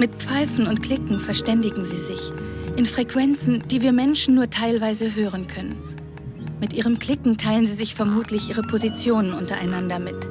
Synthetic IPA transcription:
mɪt̚pp͡faɪfn̩ʊntkl̥ɪkŋ̩fɛɐʃtɛndɪɡŋ̩ziːzɪçʔɪnfʁ̥ɛkv̥ɛnt͡sn̩d̥iːviːɐmɛnʃn̩ːuːɐtʰaɪlvaɪzəɦøːʁ̞ənkʰœnən | mɪtʔiːʁ̞əmkl̥ɪkŋ̩tʰaɪlənziːzɪçfɛɐmuːtʰlɪçʔiːʁ̞əpʰozit͡sjoːnənʔʊntɐʔa̰ɪnandɐmɪt

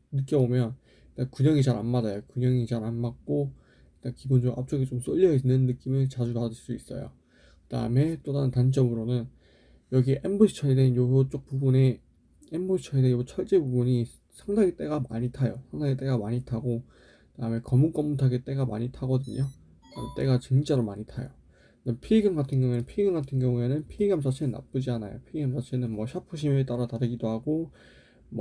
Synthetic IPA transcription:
nɯk͈jʌbomjʌn | kakuɲʌŋit͡ɕaɾa̰nmad͡ʑajokuɲʌŋit͡ɕaɾanmak̚k͈o | ik͈akibond͡ʑoɡa̰p̚t͡ɕ͈ʌɡit͡ɕ͈oms͈ʌʎːʌinːɯnːɯk͈imɯt͡ɕad͡ʑuɡad͡ʑɯɭs͈uis͈ʌ̰jo̰ | kɯda̰ɯme̞t͈odanɯntant͡ɕ͈ʌmɯɾonɯn | jʌɡieʔemboi̥t͡ɕʰʌidenjoɦot͡ɕ͈ok̚p͈ubune | emboit͡ɕʰʌideot͡ɕʰʌɭt͡ɕ͈e̞bubuɲi | sʰaŋdaɡit͈e̞ɡama̰ɲitʰajosʰaŋdaɡet͈e̞ɡamaɲitʰaɡo | taɯmjekʌmuk͈ʌmːutʰaɡet͈e̞ɡama̰ɲitʰaɡʌdɯɲo | amɯnt͈e̞ɡat͡ɕeŋt͡ɕ͈aɾomaɲitʰajo | nepʰiɡʌmɡatʰɯŋɡjʌŋue̞nɯnpʰiiɡʌnɡatʰɯnɡjʌŋue̞nɯnpʰiiɡiams̬ʰat͡ɕʰenɯnːa̰p͈ud͡ʑianajo̰pʰiɦamsʰat͡ɕʰenɯnmwʌɕʰapʰɯɕ̬ʰimɯɭt͈aɾataɾɯɡidohaɡo | m

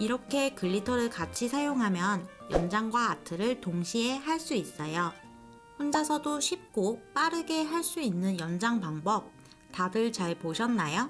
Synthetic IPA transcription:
iɾʌkʰe̞kɯʎːitʰʌɾɯɭkat͡ɕʰisʰajoŋɦamjʌnjʌnd͡ʑaŋɡwaːtʰɯɾɯɭtoŋɕʰiɦeɦaɭs͈uis͈ʌjo | ɸond͡ʑasʰʌdoɕʰip̚k͈op͈aɾɯɡe̞ɦaɭs͈uinːɯnjʌnd͡ʑaŋpaŋbʌp̚ | taɡɯɭt͡ɕaɭpoɕʰʌnːajo

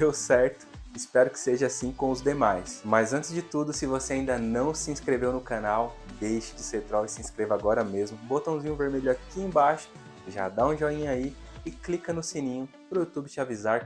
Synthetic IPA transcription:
d̪ewsɛɾt̪ʊ̥ɪspɛɾʊkɪ̥seʒɐasĩkõw̃ʊzd̪emajsmɐzɐ̃nt͡ʃɪzd͡ʒɪt̪ud̪ʊsɪvoseaĩd̪ɐnɐ̃w̃sɪĩskɾevewnʊkanawd̪ejʃɪ̥d͡ʒɪseɾt̪ɾɔwɪsɪĩskɾevaɡɔɾɐmezmʊbot̪ɐ̃w̃zĩɲʊveɾmeʎʊakiẽj̃baʃʊ̥ | ʒa̰d̪aũʒɔĩɲaiɪklikɐnʊsinĩɲʊ | pɾʊjut̪ubɪt͡ʃɪavizaɾ

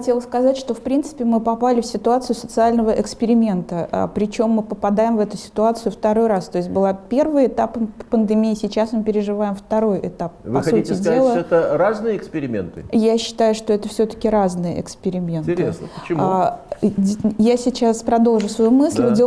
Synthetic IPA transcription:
ɐtʲe̞lˠskɐzatʲʂt̪o̞fpɾʲint̪sɨ̥pʲɪmɨpɐpalʲɪfsʲɪt̪ʊat̪sɨjʊsət̪sɨalʲnəvəʔɪkspʲɪɾʲɪmʲe̞nt̪əə̰pɾʲɪt͡ɕo̞mːɨpəpɐd̪ajɪmvɛt̪ʊsʲɪ̥t̪ʊat̪sɨjʊft̪ɐɾo̞jɾast̪o̞ɪsʲt̚ʲbɨlˠapʲe̞rvɨjɪt̪appənd̪ɨmʲijːsʲɪt͡ɕasmɨpʲɪɾʲɪʐɨvajɪmft̪ɐɾo̞jʔɪ̰t̪apvɐsɐuitʲɪdʲelˠəoɛt̪əɾaznɨjəɪkspʲɪɾʲɪmʲḛnt̪ɨjaɕːɪ̥t̪ajʊʂt̪o̞ɛt̪əfsʲɵt̪ə̥kʲɪɾaznɨjəʔɪ̰kspʲɪɾʲɪmʲe̞nt̪ʲesnəɪ | jasʲɪt͡ɕaspɾɐd̪o̞lˠʐʊsvɐjumɨsʲlʲdʲe

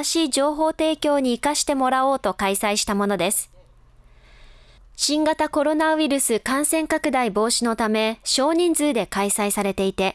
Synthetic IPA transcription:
ɕiːd͡ʑo̞ːɦo̞ːt̪e̞ːkʲo̞ːɲ̟iːkaɕi̥t̪e̞mo̞ɾao̞ːt̪o̞kaisaiɕi̥t̪amo̞no̞d̪e̞sɨ̥ | ɕĩŋɡat̪ako̞ɾo̞naβiɾɯ̟sɨkãɰ̃sẽ̞ŋkakɯ̟d̪aibo̞ːɕino̞t̪ame̞ɕo̞ːɲ̟ĩnd͡zɨːd̪e̞kaisaisaɾe̞t̪e̞it̪e̞

